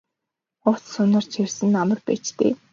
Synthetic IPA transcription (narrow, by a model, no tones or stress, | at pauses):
ʊt͡ssɵnə̆rt͡ɕʰersɘ̆nːamə̆rpeːt͡ɕt̪ḛː